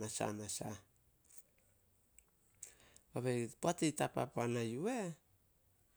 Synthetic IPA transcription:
asa̰nasa̰ | baβepuatejtapa̰panajue

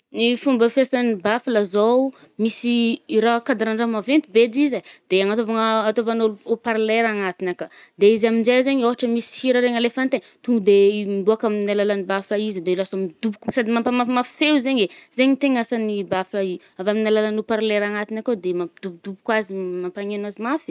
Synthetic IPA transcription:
nifumbəfesanibafilazow | misiiɾakad̪aɾaɳɖ͡ʐamavent̪ibed̪izad̪̥eaŋat̪ovaŋat̪ovanoopaɾleɾaŋat̪inaka | d̪eizaminzezeɲoɦaʈ͡ʂəmisi̥hiɾaɾeŋəlefant̪e | t̪uŋɡud̪emiboakaminalalanibaflaizd̪elasamid̪ubukusad̪imapamamafewzeɲez̥eɲit̪eŋasanibaflai | avaminalalanopaɾleɾaŋat̪inakad̪emapd̪̥ubud̪ubukwazimampaŋenazimafi̥

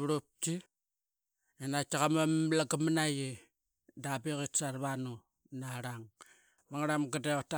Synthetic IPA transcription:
βɾop̚ti | enataɣamamlaɡamanaji | dabeɣitsaɾβanu | naɾaŋ | βaŋɾamɡadeata

